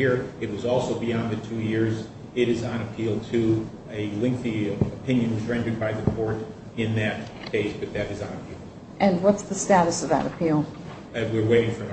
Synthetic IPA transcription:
iɹɨt̚wʌzɔlˠsoʊbiɑ̃nðɨtʰʉjɪɹz | ɪɾɨzn̩ɨpʰilˠtʰɨ | ɨlɪ̃ŋk̚θiəpʰɪ̃njɨ̃nwʌzɹɛ̃ndə˞d̚baɪðɨkʰɔɹɾ | ɪ̃nðɨt̚ | kʰeɪsb̥ʌt̪̚ðɨɾɨznɨpʰilˠ | ʔɨ̃nwʌtsðəstæɾɨsʌvðə̰ɾəpʰilˠ | ɨwɪɹweɪɾɪ̃ŋfɹʌ̃m

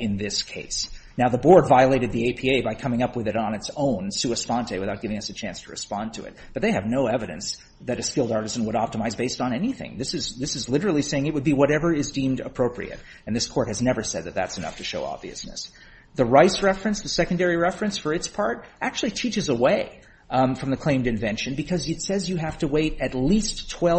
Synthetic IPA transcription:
ɨ̃nðɪskʰeɪsnaʊðəbɔɹdvaɪəleɪɾɨd̪̚ðieɪpʰieɪbaɪkʰʌ̃mɪ̃ŋʌpwɨðɨɾn̩ɨtsõʊ̃nsʉɨspɑ̃ntʰeɪwɨθaʊt̚ɡɪvɪ̃ŋʌsɨt͡ʃʰæ̃nstʰəɹɨ̰spɑ̃ntʰɨɨ̰t̚b̥ʌt̪̚ðeɪɨvnoʊɛvɨɾɨ̰̃ns | ðɨɾɨskɪlˠdɑɹɾɨz̃n̩wəɾɑp̚təmaɪzbeɪstn̩ɛniθɪ̰̃ŋðɪsɨzðɪsɨzlɪɾə˞l̩ˠiseɪɪ̃ŋɨt̚wɨd̚biwʌɾɛvə˞ɪzdĩmdə̰pʰɹ̥oʊpʰɹḭɨ̰ɾ | ɨ̃nðɪskʰɔɹt̚hɨznɛvə˞sɛd̪̚ðɨt̪̚ðæ̰tsɨnʌ̰ftʰɨʃoʊɑ̰bvḭɨ̰snɨ̰s | ðɨɹaɪsɹɛfɹɨ̃nsðɨsɛkɨ̃n̩dɛɹiɹɛfɹɨ̃nsfə˞ɨtspʰɑɹɾʔæk̚t͡ʃʉl̩ˠitʰit͡ʃɨzəweɪ | fɹʌ̃mðɨkʰl̥ẽɪ̃mdɨ̃ɱvɛ̃nʃɨ̃nbɨkʰʌzɨtsɛzjɨɦæftəweɪɾɨtˡlistʰw̥ɛ

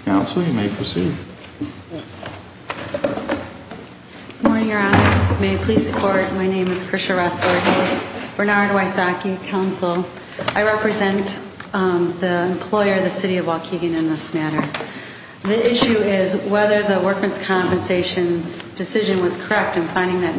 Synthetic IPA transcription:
kʰãʊ̃nsl̩ˠjɨmeɪpʰɨsḭ̥ | mɔɹnɪ̃ŋjə˞ɑsmeɪpʰl̥iz̥sɨkʰɔɹt̚maɪnẽɪ̃mɨz̥kʰɹ̥ɪʃəɹɛslə˞ | b̥ə˞nɑɹd̚waɪsɑkikʰãʊ̃nsl̩ˠ | aɪɹɛpɹɨzɛ̃n | ðiɨ̃mpʰl̥ɔɪə˞ʌðɨsɪɾiʌvwɑkʰiɡɨ̃nɨ̃nðɪsmæɾə˞ | ðiʔɪʃʉɪzwɛðə˞ðəwɜ˞k̚mɨ̃nz̥kʰɑ̃mpɨ̃nseɪʃɨ̃nzd̥ɨsɪʒɨ̃nwʌz̥kʰə˞ɛk̚tɨ̃nfãɪ̃ndɪ̃ŋðɨt̚

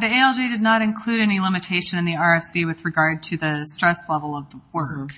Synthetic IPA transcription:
ðieɪɛlˠd͡ʒidɨdⁿnəɾɨ̃nkʰl̥ʉɾɛnilɪ̃mɨtʰeɪʃɨ̃nɨ̃nðiɑɹɛfsiwɨðɹɨɡɑɹd̚tʰɨðɨstɹ̥ɛslɛvl̩ˠʌvðəwɜ˞k

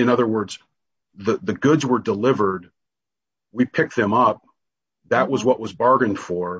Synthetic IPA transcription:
ɨ̃ñʌðə˞wɜ˞dz̥ | ðɨðɨɡʊdzwə˞dəlɪvə˞d̚ | wipʰɪk̚t̪̚ðɨ̃mʌp̚ | ðɨʔ̚wʌzwʌʔwʌzbɑɹɡɨ̃nd̥fə˞

